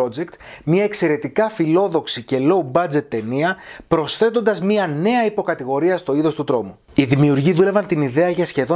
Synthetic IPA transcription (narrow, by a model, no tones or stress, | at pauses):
od͡ze̞kt̪mɲɐe̞kse̞ɾe̞t̪ikɐfilo̞ðo̞ksice̞lo̞ubɐd͡ze̞t̪ːe̞niɐpɾo̞sθe̞t̪ond̪ɐzmiɐne̞ɐipo̞kɐt̪iɣo̞ɾiɐst̪o̞iðo̞st̪ut̪ɾo̞mu | iðimiuɾʝiðule̞vɐnt̪iniðe̞ɐʝɐsçe̞ðo